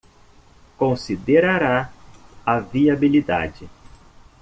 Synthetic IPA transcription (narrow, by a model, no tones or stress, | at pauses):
kõsid̪eɾaɾa | aviabilid̪a̰d͡ʒɪ